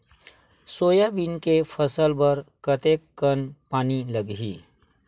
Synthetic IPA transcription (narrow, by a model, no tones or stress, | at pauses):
soːjabinkepʰəsəlbəɾkət̪ekːənpaːniləɡɦḭː